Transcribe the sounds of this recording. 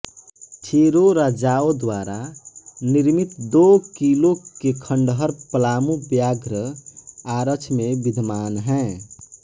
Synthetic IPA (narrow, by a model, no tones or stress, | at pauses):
t͡ʃʰeɾoɾad͡ʒaod̪waːɾaniɾmit̪d̪okilokekʰə̃ɳɖɦəɾpəlaːmubjaːɡɾəaɾət͡ʃʰmẽbid̪ʱmaːnɦɛ̃